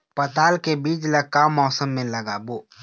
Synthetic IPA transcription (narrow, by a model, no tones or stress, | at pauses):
pɐt̪aːlkebiːd͡ʒlɐkamːɔːsəmːẽlɐɡaːboː